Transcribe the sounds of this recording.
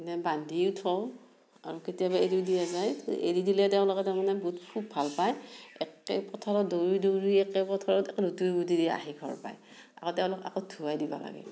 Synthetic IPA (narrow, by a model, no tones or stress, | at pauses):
nɛbandʱiutʰɔw | aɹuketijabaedidijazajḛɹidilɛtɛʊ̃lɔkɛtɛʊmanɛbɔɦutpʰup̚bʱalpajɛ̰kɛ̰pɔtʰɔɹɔdoɹidoɹiɛkɛpɔtʰɔɹɔɛkɛlutuudidia̰ɦiɡʱɔ̰ɹpa̰j | akɔtɛʊ̃lɔka̰kɔdʰʱuajdiba̰la̰ɡɛ̰